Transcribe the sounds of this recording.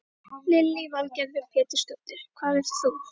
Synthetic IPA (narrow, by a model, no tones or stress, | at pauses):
lɪlːivalcɛɾvɪɾ̥pʰɛːt̪ʏ̥st̪œwt̪ɪɾ̥kʰvaːðɛɾ̥θu